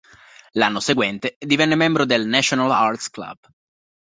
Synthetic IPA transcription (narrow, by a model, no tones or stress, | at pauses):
lanːoseɡwɛnt̪ed̪ivɛnːemɛmbɾod̪elnat͡ʃonalart̪skla̰b̥